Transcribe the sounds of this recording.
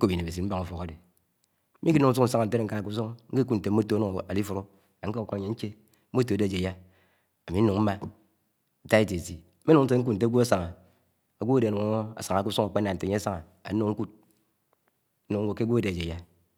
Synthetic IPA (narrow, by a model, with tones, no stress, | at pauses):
ko˦bi˨ne˨be˨si˨m̩˦ba˦ŋu˨fo˨ka˦de˨˦ | i˦i˦nu˨ŋ̩˦su˦n̩˨sa˦ŋa˨n̩̬˨˦e˦ɾŋ̩˦ka˦a˨ku˦s̬o˦ŋŋ̩˦ke˦ku˦tn̩˨te˨m̩˦o˦to˨˦nu˨ŋ˨a˨li˦fu˨ɾo˦ | a˨ŋ̩˦ka˦˨kɲe˨ŋ̩˦t͡ʃe˦ | o˦to˨de˨d͡ʒe˨ja˦ | a˨mi˨˦nu˨ŋm̩˦ma˦ | n̩˦ta˦e˦te˨ti˨˦e˦nu˨ŋn̩˦te˦ŋ̩˦k̬u˦n̩˨te˦ɡu˦a˦sa˨ŋa˨ | a˨ɡʷo˦a˦de˨nu˨ŋa˦ŋo˦a̰˨sa˨ŋa˨ku˦su˦ŋa˨k͡pe˦nːa˨n̩˨te˨ɲe˦a˦sa˦ŋa˨ | a̰˨˦nu˦ŋ˦ŋ̩˦ku˦t̚ | u˨ŋ̩˦wo˨ke˦ɡʷo˦a˦de˨d͡ʒe˨ja˦